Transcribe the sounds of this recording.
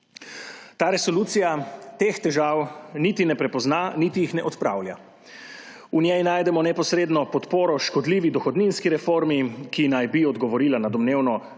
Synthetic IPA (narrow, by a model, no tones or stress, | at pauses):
t̪aːɾɛsɔluːt̪sijat̪eːxt̪ɛʒawnit̪inɛpɾɛpɔznanit̪ijixnɛʔɔt̪pɾa̰ːwlja̰ | unʲjɛjnaːjd̪ɛmɔnɛpɔsɾeːd̪nɔpɔt̪poːɾɔʃkɔd̪liːʋid̪ɔxɔd̪ninskiɾɛfoːɾmikinajbiɔd̪ɡɔʋɔɾiːlanad̪ɔmneːwnɔ